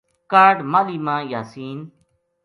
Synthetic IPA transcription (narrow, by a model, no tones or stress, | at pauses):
kaːɾɖmaliːmãːjaːsiːn